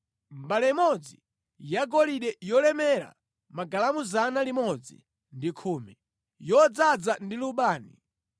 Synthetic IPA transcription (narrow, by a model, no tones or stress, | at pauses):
mbalɛmɔd͡zi | jaɡɔliɗɛjɔlɛmɛɾa̰ | maɡalamuzanalimɔd͡zḭ | ndikʰuːmi | jɔd͡zad͡zandiluɓaːni